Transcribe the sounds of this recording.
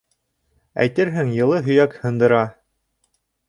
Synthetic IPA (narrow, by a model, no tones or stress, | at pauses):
æ̰jt̪ɘɾɦɘŋjɤ̆lˠɤɦɵ̆jækhɤ̆nd̪ɤ̆ɾɑ